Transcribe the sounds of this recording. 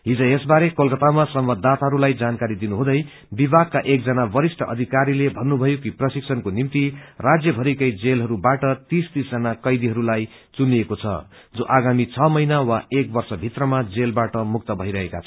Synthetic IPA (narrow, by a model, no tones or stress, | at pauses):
ɦid͡zʌ̃esbaɾekolkʌt̪amasʌmbʌd̪ːat̪aɦʌɾulajd͡zankaɾid̪inuɦũd̪ʌj | bibʱaɡ̚kːaʔek̚d͡zʌnabʌɾisʈʰʌʔʌ̰d̪ʱikaɾilebʱʌnːubʱʌjokiprʌsiksʰʌnkonimt̪irad͡zjʌbʱʌɾikʌjd͡zelɦʌɾubaʈʌt̪ist̪isd͡zʌnakʌjd̪iɦʌɾulaj | t͡suniekot͡sʰʌ̰ | d͡zoʔaɡamit͡sʰʌmʌjnawaek̚bʌrsʌbʱit̪rʌmad͡zelbaʈʌmuk̚t̪ʌbʱʌiɾʌɦeka̰t͡sʰʌ